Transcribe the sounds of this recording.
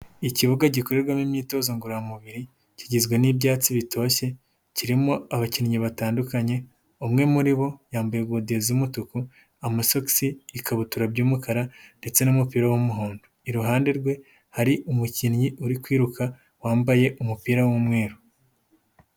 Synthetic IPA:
iciβuɡaɟikoɾeɾɡwamimɲiːto̞ːzoŋɡuɾojamuβiɾi | ciɟizɡwe̞nibɟaːt͡siβitʰoːçe̞ | ciɾimo̞aβacinɲiβataːndukaɲe̞ | umŋe̞muɾiβo̞jaːmbajeɡwodezimutuku | amasoksiːkaβutuɾabɟuːmukaɾande̞t͡se̞numupiːɾawumuɦoːndoiɾuɦaːnde̞ɾɡwe̞ | haɾiʔumucinɲiʔuɾikwiːɾuka | waːmbaje̞ʔumupiːɾawumŋe̞ːɾo

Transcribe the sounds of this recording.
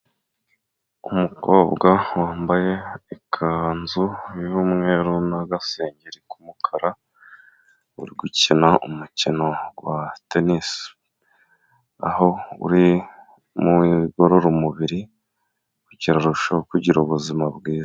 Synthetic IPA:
umuko̞bɡawaːmbaje̞ikʰanzujumŋe̞ɾunaɡaseːɲɟeɾikumukʰaɾa | ṵɾiɡucinaʔumucino̞watenis | a̰ho̞ṵɾi | muiɡo̞ɾoɾomuβiɾi | kuciɾaɾuʃakuɟiɾoβuzimabɡiːza

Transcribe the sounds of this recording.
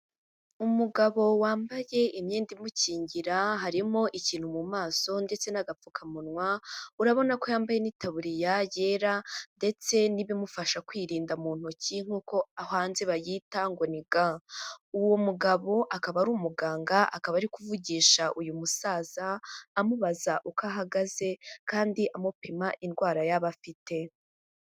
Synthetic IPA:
umuɡaβo̞waːmbaje̞ʔimɲeːndimuciːɲɟiɾaɦaɾimo̞ʔiciːn̥humumaːso̞nde̞t͡se̞naɡap͡fukʰamunŋwauɾaβo̞nako̞jaːmbaje̞niːtaβuɾijaje̞ːɾande̞t͡se̞niβimufaʃakwiːɾiːndamuːn̥huciŋ̥huːko̞ahaːnzeβajiːtaŋɡo̞niɡauwo̞muɡaβo̞ʔakaβaɾuːmuɡaːŋɡaʔa̰kaβaɾikuvuɟiːʃaʔujumusaːz̥aːmuβazaʔukaɦaɡaze̞kaːndiʔamupimaʔinɡwaːɾajaβafitʰe̞

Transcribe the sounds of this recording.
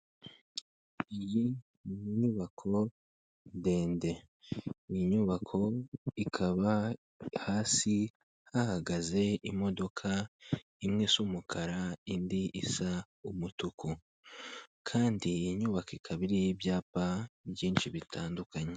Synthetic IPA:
iji | ɲuβakʰo̞ | de̞ːnde̞ | ijiɲuβakʰo̞ikʰaβa | haːsi | hahaɡaze̞imo̞do̞kʰa | imŋisumukʰaɾaindiʔisa | umutukʰu | kʰaːndijiɲuβakikʰaβiɾijibjaːpabjiːnʃiβitʰaːndukaɲe̞

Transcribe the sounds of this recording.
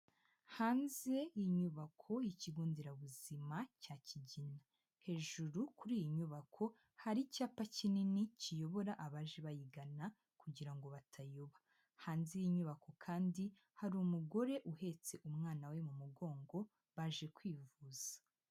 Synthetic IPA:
haːnze̞jiɲuβakʰo̞jiciɡuːndiɾaβuzimacaːciɟina | he̞ːʒuɾukuɾiːjiɲuβakʰo̞ | haɾicaːpacininicijo̞βo̞ɾaʔaβaʒeβajiɡana | kuɟiɾaŋɡo̞βatʰajoβḁ | haːnze̞jiɲuβako̞kʰaːndi | haɾumuɡo̞ɾe̞ʔuhe̞t͡se̞ʔumŋaːnawe̞mumuɡo̞ːŋɡo̞ | βaʒe̞kwiːvuːz̥ḁ

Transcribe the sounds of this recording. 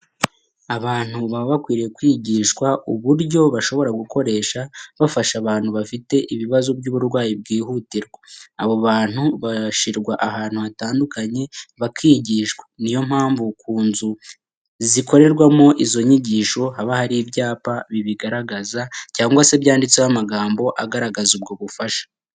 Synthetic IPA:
aβaːn̥huβamoβakwiːɾijekwiːɟiːʃkwauβuɾɟo̞βaʃo̞βo̞ɾaɡuko̞ɾe̞ːʃaβafaʃaβaːn̥huβafite̞ʔiβiβazobɟuβuɾɡwaːjib̚ɡiːhutiɾɡwaaβo̞βaːn̥huβaʃiɾɡwaʔaɦaːn̥huataːndukaɲe̞βakʰiːɟiːʃwḁnijo̞m̥haːɱvukuːnzu | ziko̞ɾe̞ɾɡwamo̞ʔizo̞ɲiɟiːʃo̞haβahaɾibɟaːpaβiβiɡaɾaɡazacaːŋɡwase̞bjaːndit͡sehamaɡaːmbo̞ʔaɡaɾaɡazub̚ɡo̞βufaʃḁ

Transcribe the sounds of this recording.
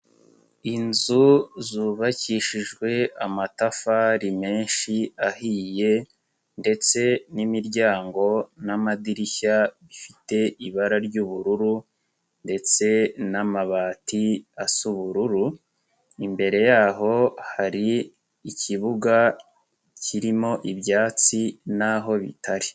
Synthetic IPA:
inzuzuːβaciʃiʒɡwe̞amatafaɾime̞ːnʃiahiːje̞ | nde̞t͡se̞nimiɾɟaːŋɡo̞namadiɾiçaβifite̞iβaɾaɾɟuβuɾuɾu | nde̞t͡se̞namaβaːtiasuβuɾuɾu | imbe̞ɾe̞jaːɦo̞haɾi | iciβuɡa | ciɾimo̞ʔibjaːt͡sinaɦo̞βḭtʰaɾi

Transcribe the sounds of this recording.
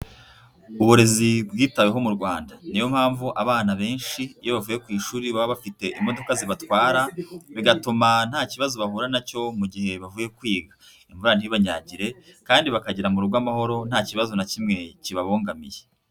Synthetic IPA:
uβuɾe̞zibɡiːtaweɦo̞muɾɡwaːndanijo̞m̥haːɱvuʔaβaːnaβe̞ːnʃiːjo̞βavuːje̞kwiːʃuːɾiβaβaβafite̞ʔimo̞do̞kaziβatwaːɾaβiɡatuman̥haːciβazoβahuːɾanaco̞muɟihe̞βavuːje̞kwiːɡḁ | iɱvuɾan̥hiβaɲa̰ːɟiɾe̞kaːndiβakaɟiɾamuɾuɾɡwamaho̞ɾo̞n̥haːciβazonacimŋe̞ciβaβoːŋɡamḭje

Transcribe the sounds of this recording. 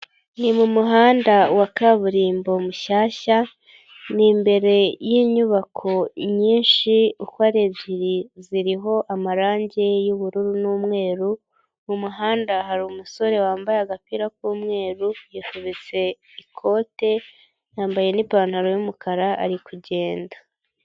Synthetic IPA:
nimumuɦaːndawakaβuɾiːmbo̞muʃaːʃa | nimbe̞ɾe̞jiːɲuβakʰo̞ɲiːnʃiukwaɾe̞bjiɾiziɾiɦo̞ʔamaɾaːɲɟe̞juβuɾuɾunumŋe̞ːɾu | umuɦaːndahaɾumuso̞ɾe̞waːmbajaɡapiɾak̚uːmŋe̞ːɾujikuβit͡se̞ | ikʰo̞ːte̞ | jaːmbaje̞nipaːn̥haɾojumukʰaɾaʔːɾikuɟe̞ːnda

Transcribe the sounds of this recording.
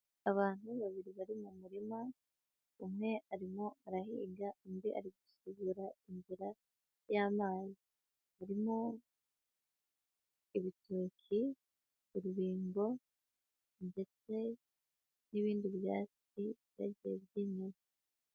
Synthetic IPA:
aβaːn̥huβaβiɾiβaɾimumuɾima | umŋe̞aɾimo̞aɾaɦḭːɡaumbiʔa̰ɾiɡusuɡuɾainziɾa | jaːmaːji | βaɾimo | iβitukʰi | uɾuβiːŋɡo̞ | nde̞t͡se̞ | niβiːndiβja̰ːt͡s | iβja̰ɟḛβɟiɲima

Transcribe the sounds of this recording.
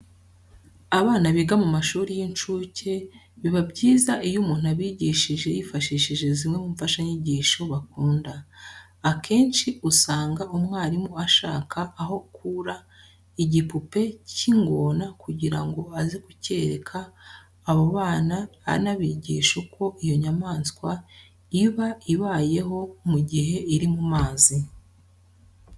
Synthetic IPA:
aβaːnaβiɡamumaʃuːɾijint͡ʃuːcʰe̞ | βiβabɟiːzaʔijumuːn̥uaβiɟiːʃiʒe̞jifaʃiʃiʒe̞zimŋe̞mumfaʃaɲiɟiːʃo̞βakuːndaː | kʰe̞ːnʃiusaːŋɡaʔumŋaːɾimoaʃaːkʰaʔːɦo̞kuɾa | iɟipupe̞ciŋɡoːnakuɟiɾaŋɡo̞azikuce̞ɾḛkʰaː | βoβaːnaa̰naβiɟḭːʃokʰo̞ʔijo̞ɲamaːnskwa | iβaiβaːje̞ɦo̞muɟiɦe̞iɾimumaːzi

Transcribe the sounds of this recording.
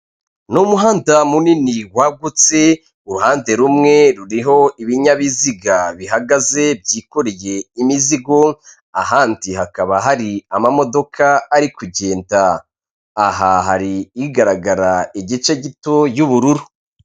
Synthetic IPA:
numuɦaːndamuniniwaɡut͡se̞ | uɾuhaːnde̞ɾumŋe̞ɾuɾiɦo̞iβiɲaβiziɡaβiɦaɡaze̞b̚ɟiːkoɾeje̞imiziɡo̞ | a̰ɦaːntihakaβaɦaɾiamamo̞do̞kʰaːɾikuɟe̞ːntaː | ɦaɦaɾiːɡaɾaɡaɾaiɟit͡ʃe̞ɟito̞juβuɾuɾu

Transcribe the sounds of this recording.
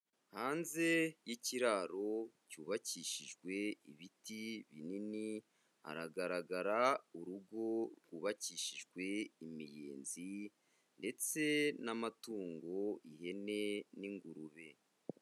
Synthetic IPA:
haːnze̞jiciɾaːɾo̞cuːβaciʃiʒɡwe̞iβitiβinini | a̰ɾaɡaɾaɡaɾauɾuɡo̞ɾɡuːβaciːʃiʒɡwe̞imijḛːnzi | nde̞t͡se̞namatuːŋɡo̞ihe̞ne̞niŋɡuɾuβe̞

